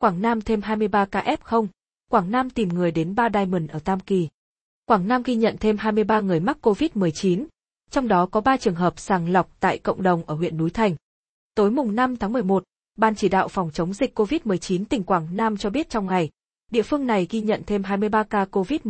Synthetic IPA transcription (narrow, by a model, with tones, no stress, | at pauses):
kwaː˧˩ŋnaː˧mt̪ʰe˧mɦaː˧jmɨ˧əjɓaː˧kaː˧ʔɛ˦˥p̚xə˧wŋ͡m | kwaː˧˩ŋnaː˧mt̪i˨˩mŋɨ˨˩əjɗe˨˦nɓaː˧ɗaː˧jmi˨˩nʔəː˧˩t̪aː˧mki˨˩ | kwaː˧˩ŋnaː˧mɣi˧ɲə̰˧˨nt̪ʰe˧mɦaː˧jmɨ˧əjɓaː˧ŋɨ˨˩əjma˦˥k̚kːo˧vi˦˥t̚mɨ˨˩əjt͡ɕi˨˦n | t͡ɕɔ˧wŋ͡mɗɔ˨˦kɔ˨˦ɓaː˧t͡ɕɨ˨˩əŋɦəː˨˩p̚saː˨˩ŋla˨˩wk͡p̚t̪a̰ː˧˨jkə̰˧˨wŋ͡mɗə˨˩wŋ͡mʔəː˧˩ɦwḭ˧˨ənːu˨˦jt̪ʰa˨˩jŋ̟ | t̪o˨˦jmʊ˨˩ŋ͡mna˧mt̪ʰaː˨˦ŋmɨ˨˩əjmo˨˩t̚ | ɓaː˧nt͡ɕi˧˩ɗa̰ː˧˨wfɔ˨˩wŋ͡mt͡ɕə˨˦wŋ͡mzï˨˩k̟ko˧vi˦˥t̚mɨ˨˩əjt͡ɕi˨˦nt̪ï˨˩ŋ̟kwaː˧˩ŋnaː˧mt͡ɕɔ˧ɓi˦˥ət̚t͡ɕɔ˧wŋ͡mŋa˨˩j | ɗḭ˧˨əfɨ˧əŋna˨˩jɣi˧ɲə̰˧˨nt̪ʰe˧mɦaː˧jmɨ˧əjɓaː˧kaː˧ko˧vi˦˥t̚